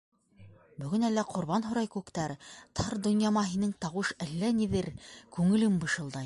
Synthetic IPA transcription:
bɵ̆ɡɵ̆nælːæqʰŏɾβɑnɦŏɾɑjkʉkt̪æɾt̪ʰɑɾd̪ŏnjɑmɑɦinɘŋt̪ɑwɤʃælːæniðɘɾkʉŋɘ̆lɘmbɤ̆ʃɤ̆lˠd̪ɑj

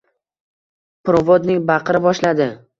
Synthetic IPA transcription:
pɾovɒd̪nɪŋbɑqʰɨɾɪbɒʃlad̪ɪ

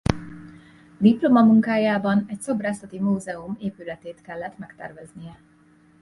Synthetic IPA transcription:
d̪iplo̞mɒmuŋkaːjaːbɒnɛcso̞braːsɒt̪imuːzɛumeːpylɛt̪eːt̪kɛlːɛt̪mɛkt̪ɛ̰rvɛznijɛ

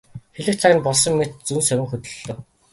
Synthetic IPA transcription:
xeɮɘ̆kt͡sʰæ̆ːnpɔɮs̬ɞ̆mːet̪̚t͡sunsœwʲɪ̆ŋxɵt̪ɵ̆ɮːɵ̆w

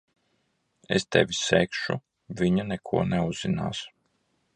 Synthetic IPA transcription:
ḛst̪ɛvʲisɛːkʃṵ | vʲiɲanɛkʰuɔnɛuzːina̰ːs

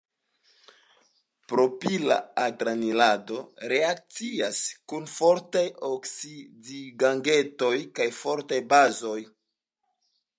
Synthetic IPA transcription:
pɾo̞pila̰aɡɾanilado̞ɾe̞ak̚t͡siaskunfo̞ɾtajoksidiɡaŋɡe̞to̞jkajfo̞ɾtajbazo̞j

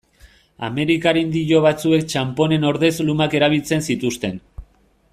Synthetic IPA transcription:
a̰me̞ɾikaɾind̪iʎo̞β̞at͡sue̞k̚t͡ʃampo̞ne̞no̞ɾðe̞zlumake̞ɾaβ̞ilt͡se̞nsit̪ust̪e̞n

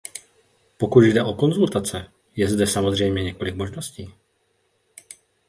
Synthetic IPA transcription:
po̞kud̪jdɛʔo̞ko̞nzult̪at͡sɛ | jɛzdɛsamo̞zr̝ɛjmɲɛɲɛko̞lɪkmo̞ʒno̞sciː

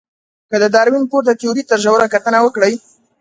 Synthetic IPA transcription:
kəd̪əd̪ɑɾwinpoɾd̪ət̪uɾit̪əɾʒawɾakat̪ənawəkɽəj

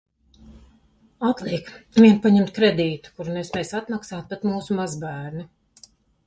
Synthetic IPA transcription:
at̪lˠiɛkviɛnpaɲɛmt̪̚kɾed̪iːt̪u̥kuɾunɛsmɛjsat̪maksaːt̪̚pat̪muːsumazbæːɾnu

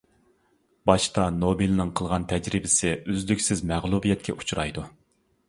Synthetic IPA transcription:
b̥ɑʃt̪ʰɑnobilnɨŋqʰəlˠʁɑnt̪ʰɛd͡ʒɾɪbɪsɪʔøzlykʲsɪzmæʁlˠubijɛt̪̚kʲʰɛ̰ʔu̥t͡ʃʰuɾɑ̰jd̪u

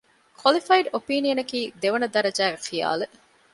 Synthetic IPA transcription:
kʰwɐlifɐiɖopiːnijɐnɐkiːd̪eʋɐnɐd̪ɐɾɐd͡ʒæːɡexija̰ːle

